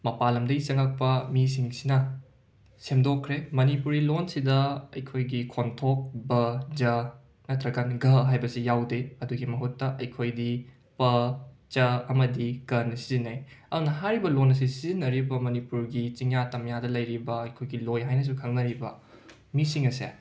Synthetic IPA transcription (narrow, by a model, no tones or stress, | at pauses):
mɐpalɐmdɐisɐŋɐk̚pɐmis̬iŋsinɐ | semdokʰːɾemɐnipuɾilonsidɐɐ̰jkʰojɡikʰontʰok̚bɐd͡ʒɐ | nɐtɾɐkanɡɐɦajbɐsijawdeɐduɡimɐɦutːɐʔɐjkʰojdi | pɐt͡ʃɐɐmɐdikɐnɐsizinajɐdunɐɦaɾibɐlonɐs̬isizinɐɾibɐmɐnipuɾɡit͡ʃiŋatɐmjadɐlɐjɾibɐːjkʰojɡilojɦajnɐs̬ukʰɐŋnɐɾibɐ̰ | misiŋɐsḛ